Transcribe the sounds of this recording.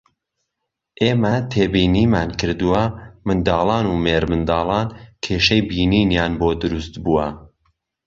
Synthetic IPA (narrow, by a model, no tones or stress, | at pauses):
ʔeːmɐt̪ʰeːbiːniːmaːnkʰɨɾd̪uwɐmɨnd̪ɑːlˠɑːnuːmeːɾmɨnd̪ɑːlˠɑːnkʰeːʃɐjbiːniːnjaːnboːd̪ɨɾust̪buːɐ